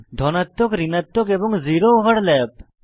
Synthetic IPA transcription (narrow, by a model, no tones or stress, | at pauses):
d̪ʱɔnat̪ːokɾinat̪ːokeboŋziɾoɦəɽlɛp̚